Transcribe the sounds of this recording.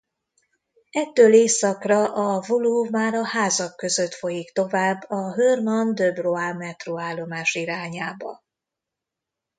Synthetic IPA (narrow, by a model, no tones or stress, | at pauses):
ɛt̪ːøːleːsɒkrɒʔɒvoluvmaːɾɒhaːzɒkːøzøt̪fo̞jikt̪o̞vaːbːɒɦørmɒnd̪øbroaːmɛt̪roaːlːo̞maːʃiɾaːɲaːbɒ̰